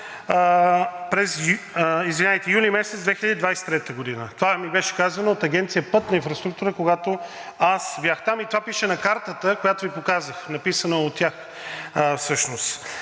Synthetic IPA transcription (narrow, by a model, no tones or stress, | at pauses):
pɾɛz | izvinɛt̪ɛjulimɛsɛt̪zd̪vɛxiʎəd̪id̪vajsɛ̥t̪ɾɛt̪əɡod̪inət̪ovamibɛʃɛ̥kazənɐot̪ɐɡʲɛnt̪sijəpɤt̪nɐĩnfɾɐst̪ɾukt̪uɾəkoɡat̪o | asbjaxt̪amit̪ovapiʃɛnɐkaɾt̪ət̪əkojat̪ovipokazəxnɐpisənəot̪ʲːjax | fsɤʃnost̪